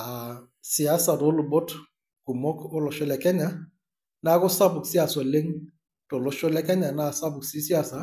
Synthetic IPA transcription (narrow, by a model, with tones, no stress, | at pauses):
a˨ | si˨a˦sa˨do˨˦lʊ˨bɔ˦t | ɡ̥u˨mɔ˦kʊ˦lɔ˨ʃɔ˦lɛ˨kɛ˦ɲa˦ | na˦kʊ˦sa˦bʊ˨ksi˦a˨sɔ˨le˦ŋ | to˨lʊ˨˦ʃɔ˦lɛ˦kɛ˦ɲa˨na˦˨sa˦bʊ˨ksi˦si˦a˦˨sa˨